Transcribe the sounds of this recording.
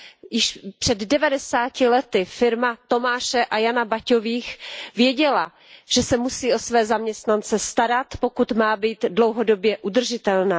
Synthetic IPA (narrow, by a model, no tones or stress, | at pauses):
jɪʃpr̥ɛddɛvadɛsaːcɪlɛt̪ɪfɪɾmat̪o̞maːʃɛʔajanabaco̞viːxvjɛɟɛla | ʒ̥ɛsɛmusiːʔo̞svɛːzamɲɛst̪nant͡sɛst̪aɾat̪po̞kut̪maːbiːt̪dlowɦo̞do̞bjɛʔud̪r̩ʒɪt̪ɛlnaː